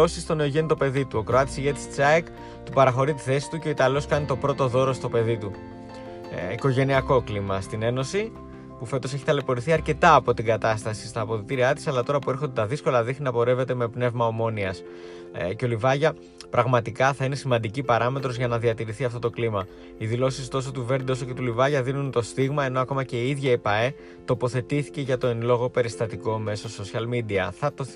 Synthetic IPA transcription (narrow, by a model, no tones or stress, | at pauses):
o̞sist̪o̞ne̞oʝe̞nit̪o̞pe̞ðit̪uo̞kɾoɐt̪isiʝet̪i̥ssɐek | t̪upɐɾɐxo̞ɾit̪i̥θe̞si̥t̪uce̞o̞it̪ɐlo̞skɐnit̪o̞pɾo̞t̪o̞ðo̞ɾo̞st̪o̞pe̞ðit̪u | iko̞ʝe̞niɐko̞klimɐst̪ine̞no̞si | pufe̞t̪o̞se̞çi̥t̪ɐle̞po̞ɾiθiɐɾce̞t̪ɐːpo̞t̪iŋɡɐt̪ɐst̪ɐsi̥st̪ɐːpo̞ðit̪iɾiɐt̪isɐlɐt̪o̞ɾɐpue̞ɾxod̪et̪ɐðisko̞lɐðixninɐpo̞ɾe̞ve̞t̪e̞me̞pne̞vmɐo̞mo̞niɐs | ce̞o̞livɐʝɐ | pɾɐɣmɐt̪ikɐθɐine̞simɐnd̪icipɐɾɐme̞t̪ɾo̞zʝɐnɐðiɐt̪iɾiθiɐft̪o̞t̪o̞klimɐ | iðilo̞sist̪o̞s̬o̞t̪uve̞ɾd̪io̞so̞ce̞t̪ulivɐʝɐðinunt̪o̞st̪iɣmɐeno̞ɐko̞mɐce̞iiðʝɐpɐe̞ | t̪o̞po̞θe̞t̪iθi̥ce̞ʝɐt̪o̞enlo̞ɣo̞pe̞ɾist̪ɐt̪iko̞me̞soso̞siɐlmid̪iɐθɐt̪o